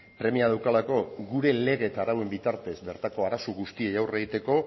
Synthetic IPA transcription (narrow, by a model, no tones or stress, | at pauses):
pɾe̞miaðawkalako̞ɣuɾe̞le̞ɣe̞t̪aɾawe̞mbit̪aɾt̪e̞zbe̞ɾt̪ako̞aɾasoɣust̪iejawre̞ɣit̪e̞ko̞